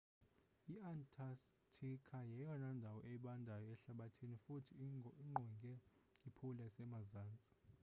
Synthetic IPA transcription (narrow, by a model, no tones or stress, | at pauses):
iantʼʰastʰikʰajɛjɔnandʱawɔʔɛɓandʱajɔɛɬaɓatʰinifutʰiiŋ͡ǃʱɔŋɡʱʼɛ | ipʰulɛsɛmazaːnt͡sʼi̥